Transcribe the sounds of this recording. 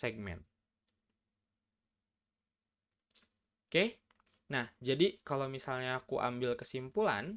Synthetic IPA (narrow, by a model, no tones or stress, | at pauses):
sɛɡ̚mɛ̰n̚ | ke | nahd͡ʒadikalomisalɲaːkuʔa̰mbilkəsimpula̰n